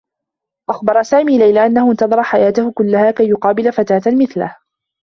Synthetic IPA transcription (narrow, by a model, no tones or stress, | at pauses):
ʔaxbɑɾˤɑsaːmiːlajlaʔanːahʊʔɪnt̪ɑðˤɾˤɑħajaːt̪ahʊkʊlːahaːkajːʊqɑːbɪlafat̪aːt̪amɪθlah